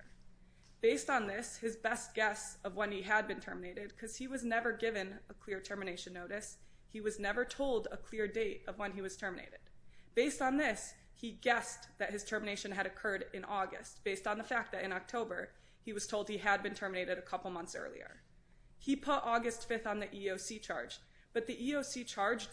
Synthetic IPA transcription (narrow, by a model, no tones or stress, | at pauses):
b̥eɪstn̩ðɪshɨzbɛst̚ɡ̥ɛsʌvwʌ̃niɨd̚bɨ̃ntʰɜ˞mɨneɪɾɨd̚kʰʌz̥iwʌznɛvə˞ɡɪvɨ̃nəkʰl̥ɪɹtʰɜ˞mɨneɪʃɨ̃nːoʊɾɨs | hiwʌznɛvə˞tʰoʊlˠdəkʰl̥ɪɹdeɪɾʌvwʌ̃niwʌz̥tʰɜ˞mɨnḛɪɾɨd̥̚b̥eɪstn̩ðɪs | hiɡɛsðɨt̚hɨz̥tʰɜ˞mɨñeɪʃɨ̃nɨɾɨkʰɜ˞ɾɨ̃nʔɔɡɨ̰st̚b̥eɪstn̩ðəfæk̪̚ðɨɾɨ̃nɑk̚tʰoʊbə˞ | iwʌz̥tʰoʊlˠd̚iɨd̚bɨ̃ntʰɜ˞mɨneɪɾɨɾɨkʰʌpl̩ˠmʌ̃nθsɜ̰˞lˠḭə̰˞ | ipʰʊɾʔɔɡɨstfɪθn̩ðiʔioʊsit͡ʃʰɑ̰ɹd͡ʒ | b̥ʌt̪̚ðiʔioʊsit͡ʃʰɑɹd͡ʒ